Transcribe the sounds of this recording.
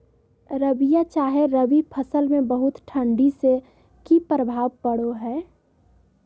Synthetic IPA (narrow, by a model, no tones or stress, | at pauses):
ɾəʋijat͡ʃaːɦeɾəʋipʰəsəlmẽbəɦʊt̪ʈʰə̃ɳɖise | kipɾəbʱaːʋpəɽoɦɛː